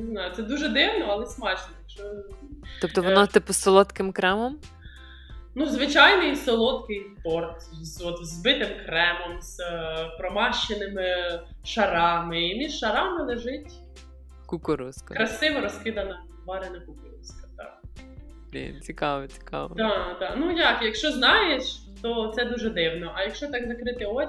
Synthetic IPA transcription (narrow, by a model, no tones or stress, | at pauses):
nɪznɑjʊt̪sɛd̪uʒɛd̪ɪwnɔɐlˠɛsmɑt͡ʃnɔjkt͡ʃɔ | ɔp̚t̪ɔʋɔnat̪ɪpʊsɔlˠɔt̪kɪmkɾɛmɔm | nuzʋɪt͡ʃɑjnɔjsɔlˠɔt̪kɪjpɔrt̪zɔt̪zbɪt̪ɪmkɾɛmɔmz̥pɾɔmɑʃt͡ʃːenɪmɪʃɐɾɑmɪimʲiʃʃɐɾɑmɪlˠeʒɪtʲ | kukʊɾuskkɾɐsɪʋɐɾɔskɪd̪ɐnɐ | ʋɑɾɪnɐkukʊɾṵskɐ̥t̪ɑ̰ | ḭt͡sʲikɑʋɔt͡sʲi̥kɑ̰ʋɐd̪ɑd̪ɑnujɑkjɐkʃt͡ʃɔznɑjeʃ | t̪ɔt̪sɛd̪uʒɛd̪ɪwnɔʔɐjɐkʃt͡ʃɔt̪ɑɡzɐkɾɪt̪ɪɔ